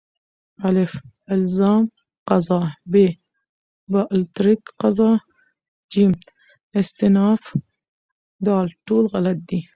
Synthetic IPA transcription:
ʔalɪfʔɪlzaːm | qɑzˤɑːbe | baʔlt̪ɾikqɑzˤɑː | d͡ʒiːm | ɪst̪ɪnaːf | d̪aːlt̪uːlɣalat̪̚d̪i

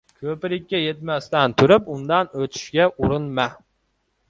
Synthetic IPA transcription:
kʲʰøpɪɾɪk̚ʲːɛjet̪̚mɛst̪ɛnt̪ʰyɾypund̪ɑnøt̪ʰy̥ʃɡʲɛʔuɾunmɛ

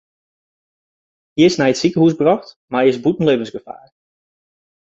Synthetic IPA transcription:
hiəsnɛjətsikəhusbrɔxt | maɪsbutn̩leɪːvənsɡəfa̰ːɹ

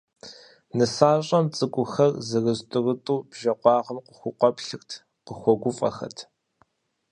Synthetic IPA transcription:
nɨsaːɕʼɐmt͡sʼɨkʷʼʊxɐrzɨrɨztʼɨrɨtʼuːbʒɐqʷɑːʁəmqʷʊxʷʊqʷɔpɬɨxtʰ | qəxʷɔɡʷʊfʼɐ̰xɐ̰tʰ

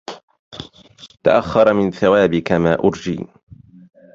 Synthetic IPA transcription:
t̪a̰ʔaxːɑɾˤmɪnθawaːbɪkamaːʔʊɾd͡ʒḭː

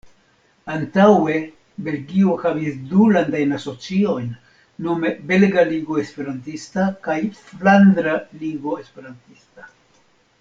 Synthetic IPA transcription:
antawe̞ | be̞lɡio̞havisdulandajnaso̞t͡sio̞jnː | ome̞be̞lɡaliɡo̞e̞spe̞ɾantistakajfland̪ɾaliɡo̞e̞spe̞ɾantista

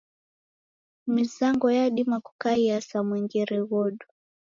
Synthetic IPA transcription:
mizaŋɡɔjaɗimaku̥kaiasamwɛŋɡɛɾɛɣɔɗu

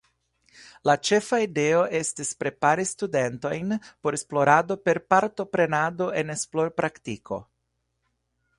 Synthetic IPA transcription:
lat͡ʃe̞faide̞o̞ʔe̞stispɾe̞paɾistude̞nto̞jnpo̞ɾesplo̞ɾado̞pe̞ɾpaɾto̞pɾe̞nado̞ʔe̞ne̞sploɾpɾaktikʰo̞̰

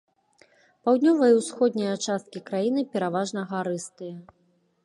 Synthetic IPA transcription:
pawd̪ʲnʲɔvɐjɐwsxɔd̪̚ʲnʲijɐt͡ʂast̪̚kʲikɾajinɨpʲɛɾavaʐnɐɣaɾɨst̪ɨjɐ

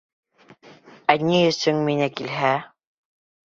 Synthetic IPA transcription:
ænʲiɵ̆sɵŋminækilɦæ

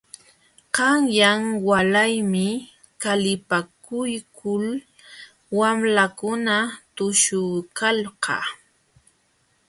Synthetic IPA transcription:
qɑŋjaŋwalajmɪ | kalɪpakʊjkʰʊl | wamlakʊnat̪ʊʃʊkalɢɑ̰

